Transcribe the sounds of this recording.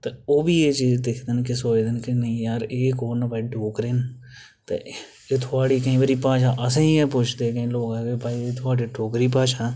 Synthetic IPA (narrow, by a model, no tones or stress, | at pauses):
t̪eoːbiːeːt͡ʃiːd͡ʒd̪ekʰd̪ɪnkɪsoːeːd̪ɪnkɪnəĩːjaːɾeːkoːnpaːiɖoːkɾeːn | t̪ḛ | eːt̪ʰʊaːɽiːkəĩːʋəːɾiːpãːʃaːʔəsẽːĩːɛːpʊt͡ʃʰd̪eːkəĩːloːkɛːkeːpaːiːeːt̪ʰʊaːɽiːɖoːkɾiːp̬ãːʃaː